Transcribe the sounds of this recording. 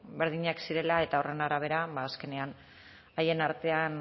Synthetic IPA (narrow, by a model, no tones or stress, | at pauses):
be̞ɾðiɲaksiɾe̞lae̞t̪aore̞naɾaβ̞e̞ɾabaːske̞ne̞an | aje̞naɾt̪e̞an